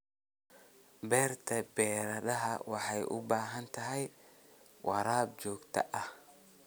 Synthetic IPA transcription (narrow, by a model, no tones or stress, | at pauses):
bɛːrt̪ʰɐbɛːɾɐɗɐɦɐwɑħɑjʔʊ̰baːɦɐnt̪ʰɐɦɛj | wʔɑɾaːb̚t͡ʃɔːɡt̪ʰɐ̰ʔɐh